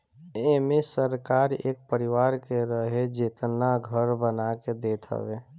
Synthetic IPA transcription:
emẽsəɾkaːɾḛːk̚pəɾɪʋaːɾkeɾəɦed͡ʒɪt̪naɡʱəɾbənaked̪eːʈʰə̰ʋe

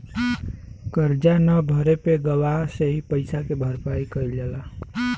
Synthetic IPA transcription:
kəɾd͡ʒanəbʱəɾepeɡəwaɦseɦipəɪsakebʱəɾpajkəjljela

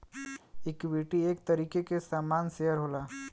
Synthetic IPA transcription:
ɪkʋiʈieːk̚t̪əɾiːkekesaːmaːnsejəɾɦoːlaː

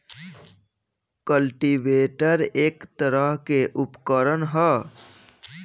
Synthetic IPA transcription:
kəlʈiʋeːʈəɾeːkt̪əɾəɦkeʔʊpkəɾənɦɛː

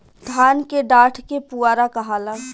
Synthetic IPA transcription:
d̪ʱaːnkeɖaːʈʰkepuaːɾakəɦaːla

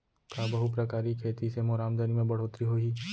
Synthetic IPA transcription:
kabɐɦupɾɐkaːɾikʰeːt̪isemoːɾaːmd̪animẽbɐɽ̤oːt̪ɾiɦoːiː

